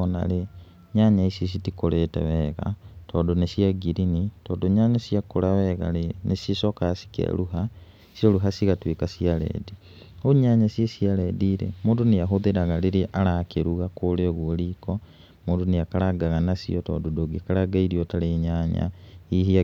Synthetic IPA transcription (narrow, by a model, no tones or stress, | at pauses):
ona̰le | ɲaɲaisis̬itikoletḛβeɣa̰toːdonesjaɡiɾinitoːdoɲaːɲasjakulaβeɣa̰lenesisokasi̥kḛluɦa | sjoluɦasiɣatwikasialḛdi | oɲaɲasjesjalediɾḛmuːndunijaɦoðiɾaɣaliɾiʔalakeɾuɣakoleɣuoliko | muːnduniakalaɡaɣanasḭoto̰ːdodoɡikalaɡaiɾiotaleɲaːɲa̰ihia